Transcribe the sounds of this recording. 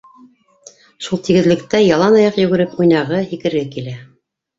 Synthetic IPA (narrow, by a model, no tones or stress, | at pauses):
ʃulˠt̪iɡɘ̆ðlɘ̆kt̪æjɑlˠɑnɑjɑqjɵ̆ɡɘ̆ɾɘpujnɑʁɤhikɘ̆ɾɡækilæ